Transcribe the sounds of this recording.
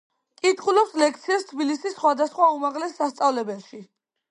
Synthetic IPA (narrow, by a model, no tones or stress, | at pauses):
kʼit̪χulɔpslɛk̚t̪sʰiast̪ʰbilisisːχwad̪asχwaumaʁlɛsːast̪sʼavlɛbɛlˠʃi